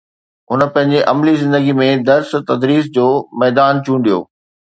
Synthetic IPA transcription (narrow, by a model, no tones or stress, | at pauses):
ɦʊnəpɐ̃ɦɪ̃ɲ̆d͡ʑeʔɐmlizɪ̃nd̪əɡimẽd̪ɐɾst̪ɐd̪ɾiːs̬d͡ʑoːmɛːd̪aːnt͡ɕũːɳɖijo̰ː